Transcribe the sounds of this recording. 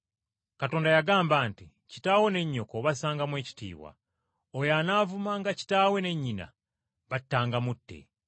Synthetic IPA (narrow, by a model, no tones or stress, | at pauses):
kato̞ːndajaɡaːmbaːnti | ci̥taːwe̞ne̞ɲːo̞koβasaːŋɡamwe̞ːci̥tḭːβwa̰ | ojanaːvumaŋɡaci̥taːwe̞ne̞ɲːina̰ | βatːaːŋɡamutːḛ